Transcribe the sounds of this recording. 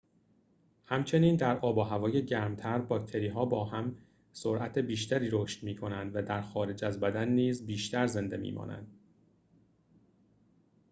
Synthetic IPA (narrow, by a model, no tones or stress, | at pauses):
hæmt͡ʃʰe̞niːnd̪æɾɒːbɒːɦævɒːje̞ɟæɾmt̪ʰæɾbɒːkt̪ʰe̞ɾiːɦɒːbɒːɦæm | soɾʔæt̪ʰe̞biːʃt̪ʰæɾiːɾoːʃt̪miːkʰo̞nænd̪væd̪æɾxɒːɾe̞d͡ʒæzbæd̪ænːiːzbiːʃt̪ʰæɾze̞nd̪e̞mḭːmɒ̰ːnʔæ̰nd̪̥